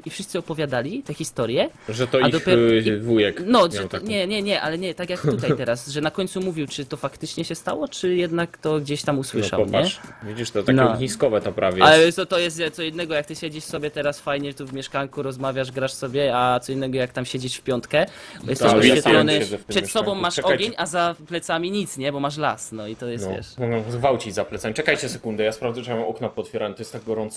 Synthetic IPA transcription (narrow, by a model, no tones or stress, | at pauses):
ifʂɨst̪sɨɔpɔvʲjad̪alʲit̪ɛxʲist̪ɔɾjɛʐɛt̪ɔaid̪ɔpʲjɛvujɛknɔʐɛt̪ɔɲɛɲɛɲɛʔa̰lɛɲɛt̪akʲjak̚t̪ut̪ajt̪ɛɾasʐɛnakɔɲt̪sumuvʲiwt͡ʂɘt̪ɔfakt̪ɘt͡ʂɲɛɕɛst̪awɔt͡ʂɘjɛd̪nakt̪ɔɡd͡ʑeɕt̪amuswɘʂa̰ɲɛvʲid͡ʑiʂt̪ɔt̪anɔɛɲiskɔvɛt̪ɔpɾavʲjɛalɛt̪ɔt̪ɔjɛst̪ɛt̪sɔinːɛɡɔjak̚t̪ɘɕɛd͡ʑiʂsɔbʲjɛt̪ɛɾasfajɲɛt̪uvmʲɛʂkaŋkuɾɔzmavʲjaʐɡɾaʂsɔbʲjɛat̪sɔinːɛɡɔjakt̪amɕed͡ʑiʂfpʲjɔnt̪kɛjɛst̪ɛʃpɔfjɛlɔnɪɛzɛft̪ʂɛt̪sɔbɔ̃w̃mmaʂɔɡʲjeɲazaplɛt̪samʲiɲit̪sɲɛbɔmaʂ̬la̰snɔit̪ɔjɛsvʲjɛ̰ʂnɔzɡvawt͡ɕid͡ʑzaplɛt̪samʲit͡ʂɛkajt͡ɕɛsɛkund̪ɛjaspɾavd̪zɔawɛmɔknapɔt̪fʲjɛɾawɛmt̪ɔjɛst̪aɡɡɔɾɔnt̪s